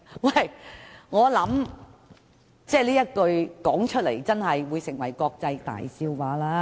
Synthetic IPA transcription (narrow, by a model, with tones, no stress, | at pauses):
wɐ˥˩jŋɔː˨˧lɐ˨˥m | t͡sɛː˥˩liː˥jɐ˥t̚kɵ˧ɥkɔː˨˥ŋt͡ʃʰt̚lḛ˨˩jt͡sɐ˥nhɐ˨jwuː˨˧jsɪ˨˩ŋwɐ˨˩jkɔː˧k̚t͡sɐ˧jt̪a̰ː˨jsiː˧wwaː˨˧˥laː˥